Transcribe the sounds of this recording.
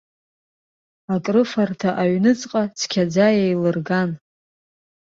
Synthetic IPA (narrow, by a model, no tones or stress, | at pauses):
akʼrɨfartʰaʔaɥnɨt͡sʼqʼat͡sʰkʲʰad͡zajejlɨrɡan